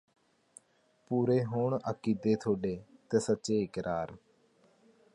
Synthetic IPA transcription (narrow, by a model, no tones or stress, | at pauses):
puːɾeːɦoːɳəkiːd̪eːt̪ʰoːɖeːt̪eːsətːʃeːkəɾʔaːɾ